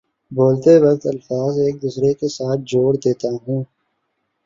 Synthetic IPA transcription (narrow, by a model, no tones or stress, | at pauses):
boːlt̪eʋɐk̚t̪ɐlfaːzeːk̚d̪ʊsɾekesaːt̪̚ʰd͡ʒoːɽd̪eːt̪aɦũː